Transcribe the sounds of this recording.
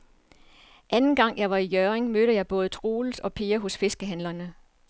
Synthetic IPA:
ʔænn̩ɡ̥ɑ̈ŋ̰jɑ̈ɪʋɑ̈ijœʁeŋmøɾəjɑ̈ɪb̥ɔ̽ːð̞̩ˠt͡sʰʁuːl̩sɒ̽pʰe̝ːɐɦɔ̽sfe̝sɡ̥əɦænlɐnə

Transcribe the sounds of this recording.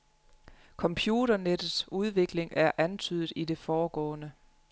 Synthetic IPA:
kʰɒ̽mpʰjuːɾɐned̥ð̩ˠsuð̞ˠʋe̝ɡ̥le̝ŋʔæɐʔænt͡sʰyð̰ˠð̩ˠide̝fɒːɡ̥ɒ̰̽ːnə

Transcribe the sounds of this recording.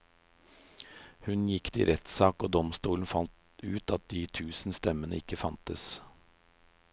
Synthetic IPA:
hʉnjɪkt̪ʰɪ̰ːɾʔɛt̪sɑːkoːd̪ɔmst̪uːln̩fɑnt̪ | ʉːt̪ɑt̪̚d̪iːt̪ʰʉːsn̩st̪ɛmənəɪkəfɑnt̪əs

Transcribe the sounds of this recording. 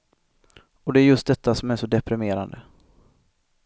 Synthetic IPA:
ɔd̪ɛæɾjɵst̪̚d̪ɛt̪ːasɔmæɾʂɔd̪ɛpɾɪmeːɾa̰nd̪ə

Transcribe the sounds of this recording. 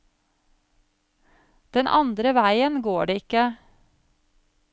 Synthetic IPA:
d̪̥ɛnʔɑ̰nd̪ɾəʋæɪənɡoːɖeːɪkə

